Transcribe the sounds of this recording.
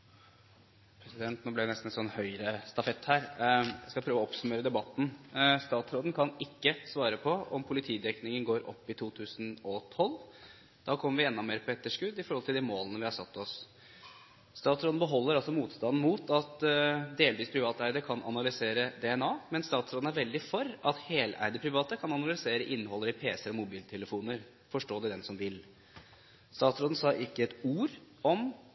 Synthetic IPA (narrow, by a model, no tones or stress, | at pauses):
pʰɾɛsɪd̪ɛnt̪noːblɪd̪ɛnɛst̪n̩ɛnsɔnːhœʏɾəst̪ɑfɛt̪ːhæːɾæ̰skɑpʰɾøːʋɔɔpsʉmeːɾəd̪ɛbɑt̪ːn̩st̪ɑːt̪sɾoːd̪n̩kʰɑnɪkːəsʋɑːɾəpʰɔɔmpʰʊlɪt̪ʰiːd̪ɛknɪŋənɡoːɾʔɔ̰pːɪt̪ʰuːt̪ʰʉːsən̩ɔt̪ʰɔlː | d̪̥ɑːkʰɔmːəɾʋɪɛnːɑmeːɾpʰɔɛt̪ːəʂkʉd̪ɪfɔɾhɔlt̪ɪld̪ɛmoːlənəʋɪhɑɾʂɑt̪ːɔs | st̪ɑːt̪sɾoːd̪n̩bəɦɔlːəɾɑlsɔmuːt̪st̪ɑnn̩muːt̪ʰɑt̪d̪eːlʋiːspʰɾɪʋɑːt̪əæɪd̪əkʰɑnʔɑ̰nɑlʏseːɾəd̪ɛɛnɑːmɛnst̪ɑːt̪sɾoːd̪n̩æɾʋɛld̪ɪfɔɾɑt̪heːlæ̰ɪd̪əpʰɾɪʋɑːt̪əkʰɑnɑnɑlɪseːɾəʔɪnːhɔlːəɾɪpʰeːsəɾɔmʊbiːlt̪ʰɛləfuːnəɾ | fɔʂʈoːd̪ɛd̪ɛnsɔmʋɪl | st̪ɑːt̪sɾoːd̪n̩sɑːʔɪkːəɛt̪uːɾ | ɔm